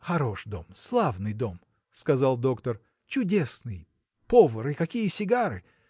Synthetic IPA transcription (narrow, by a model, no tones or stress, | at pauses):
xɐɾo̞ʂd̪o̞̰mslˠavnɨjd̪o̞m | skɐzalˠd̪o̞kt̪ər | t͡ɕʊdʲe̞snɨj | povəɾɨkɐkʲijəsʲɪɡaɾɨ̰